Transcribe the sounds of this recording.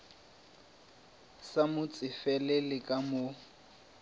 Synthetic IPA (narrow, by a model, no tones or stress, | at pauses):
samʊt͡sʼɪfɛlɛlɪkʼamʊ